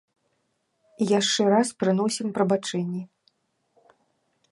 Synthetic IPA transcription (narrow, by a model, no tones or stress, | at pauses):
ijaʂt͡ʂɛɾaspɾɨn̪ɔsʲimpɾɐbat͡ʂɛnʲːi